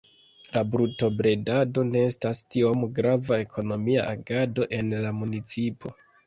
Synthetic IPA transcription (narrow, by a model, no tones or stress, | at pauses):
labɾuto̞bɾe̞dado̞ne̞estastiomɡɾavae̞kʰo̞no̞mia̰ʔaɡado̞ʔe̞nlamunit͡sipo̞